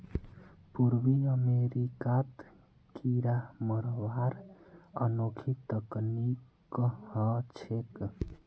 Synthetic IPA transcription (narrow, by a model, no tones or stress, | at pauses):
puɾwiəmeɾikat̪ | kʰiɾaməɾwaɾə̰noːkʰit̪əknik | hət͡ʃʰek